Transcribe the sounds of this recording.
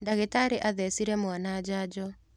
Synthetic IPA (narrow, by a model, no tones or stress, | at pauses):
ndaɣetaɾeʔaðɛsiɾɛmwanad͡ʒad͡ʒɔ